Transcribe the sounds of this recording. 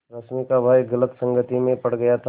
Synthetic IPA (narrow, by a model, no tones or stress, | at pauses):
ɾɐsmikabʱaeɡɐlət̪sə̃ŋɡət̪imẽpɐɽ̤ɡɐjat̪ʰa